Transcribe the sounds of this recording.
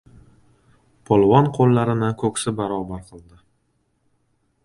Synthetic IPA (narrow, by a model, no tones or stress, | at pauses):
pʰolˠvɒnqʰolˠːaɾɪnɪkʰɵksɪbaɾɒːbaɾqʰɨlˠd̪ɪ